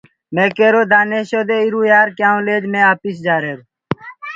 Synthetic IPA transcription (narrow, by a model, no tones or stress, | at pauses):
meːkeːɾoːd̪aːneːɕoːd̪eːiɾuːjaːɾkjãːũleːd͡ʒmẽːaːpisd͡ʒaːɾeːɾu